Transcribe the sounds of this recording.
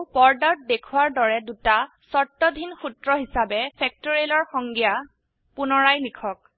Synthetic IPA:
pɔɹdɔt̚dekʰuwaɹdɔɹɛduta | sɔɹtːɔdʱinxutɹɔɦisabɛpʰɛk̚toɹielɔɹxɔŋɡija | punɔɹajlikʰɔk̚

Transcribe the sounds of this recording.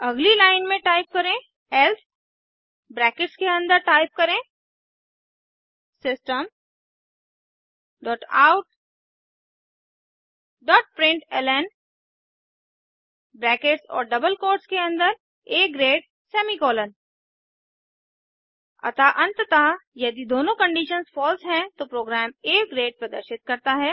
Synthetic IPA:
ɐɡlilaːɪnmẽʈaːɪp̚kɐɾẽ | ɛlt̪ʰ | bɾɛːkɪʈskeɐ̃nd̪əɾʈaːɪp̚kɐɾẽ | sɪsʈəm | ɖɔːʈaːʊʈ | ɖɔːʈ̚pɾɪ̃ɳʈɛlɛn | bɾɛːkeʈsɔ̰ːɾɖɐbəlkoːɾɖskeɐ̃nd̪əɾ | eːɡɾeːɖ | sɛːmikɔːlən | ɐ̰t̪aʔɐ̃nt̪t̪ajɐd̪id̪oːnõkə̃ɳɖiːʃənsfɔːlsɦɛ̃t̪opɾoːɡɾɛːmeːɡɾeːɖ̚pɾɐd̪ə̰ɾʃɪt̪̚kɐɾt̪aɦɛː

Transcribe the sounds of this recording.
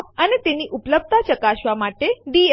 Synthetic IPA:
ənet̪eniʔupləb̚t̪at͡ʃəkaʃʋamaʈeɖi

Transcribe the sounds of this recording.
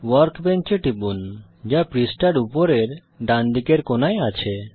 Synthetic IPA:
wəɾkbɛnt͡ʃeʈibun | d͡ʒapɾisʈaɽupoɾeɾ | ɖand̪ikeɾkonajat͡ɕʰe

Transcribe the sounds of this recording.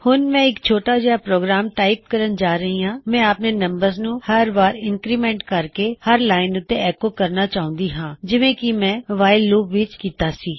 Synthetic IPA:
hʊnmɛ̃ːɪkt͡ʃʰoːʈaːd͡ʒeːaːpɾoːɡɾaːmʈaːɪp̚kəɾənd͡ʒaːɾəɦĩːãːmɛ̃ːaːpneːnəmbəɾznũːhəɾʋaːɾɪŋkɾiːmɛ̃ːɳʈkəɾkeːhəɾlaːɪnʊt̪ːeɛːkoːkəɾnaːt͡ʃaːʊ̃nd̪iːɦãːd͡ʒɪʋẽːkɪmɛ̃ːʋaːɪlːuːbʋɪt͡ʃkiːt̪aːsiː

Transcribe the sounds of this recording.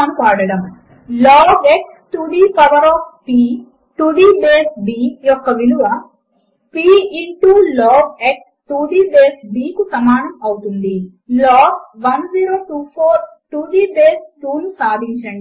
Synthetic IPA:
ɐnupaːɽɐɽɐm | lɔːɡeksʈud̪iːpɐʋɐɾɔːfpiː | ʈud̪iːbeːsbijɔkːɐʋiluʋɐ | piːiɳʈulɔːɡeks | ʈuːd̪iːbeːsbiːkusɐmaːnɐmɐwut̪und̪i | lɔːɡʋɐnziːɾoːʈuːpʰoːɾʈud̪ibeːsʈuːnusaːd̪ʱiɲt͡ʃɐɳɖi

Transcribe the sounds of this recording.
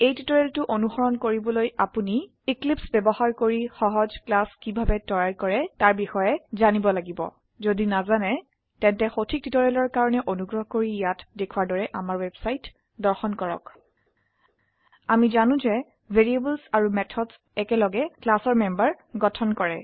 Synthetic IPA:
ejtitɔɹɛltʊʔonuxɔɹɔnkoɹibɔlojapuniː | klipsbɛbɔhaɹkoɹixɔɦɔzklaskibʱabɛtɔɹaɹkɔɹɛtaɹbixɔjɛzanibɔlaɡibɔ̰ | zodinazanɛ | tɛntɛxotʰik̚titɔɹɛlɔɹkaɹɔnɛʔonuɡɹɔɦkoɹijatdekʰuwaɹdɔɹɛʔamaɹwɛbsajt | dɔɹxɔnkɔɹɔ̰k | amizanʊ̃zɛ | bʱeɹieblsaɹumɛtʰɔds | ɛkɛlɔɡɛklasɔɹmɛmbaɹ | ɡɔtʰɔnkɔɹɛ

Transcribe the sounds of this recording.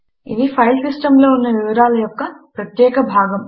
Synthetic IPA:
id̪ipʰɐjlsisʈɐmlo̞ːunːɐʋiʋɐɾaːlɐjɔkːɐpɾɐt̪jɛːkɐbʱaːɡɐm

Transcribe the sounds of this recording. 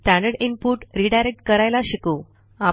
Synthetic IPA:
sʈãɳɖəɽimpuʈɾiɖajɾek̚ʈ̚kəɾajlaɕikuː | a

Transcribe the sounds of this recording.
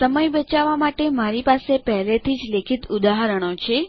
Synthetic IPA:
səməjbət͡ʃaʋamaʈemaɾipasepəɦlet̪ʰid͡ʒlekʰit̪ud̪aɦaɾəɽ̃ot͡ʃʰe

